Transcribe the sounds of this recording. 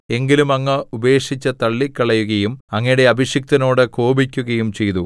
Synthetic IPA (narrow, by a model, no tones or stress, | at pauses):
e̞ŋɡilumɐŋːɐube̞ːʂit͡ɕːɐt̪ɐɭːikːɐɭɐjuɣɐjumɐŋːɐjuɽe̞ɐbʱiɕjɐk̚t̪ɐno̞ːɽɨko̞ːbikʲːuɣɐjumt͡ɕe̞jt̪u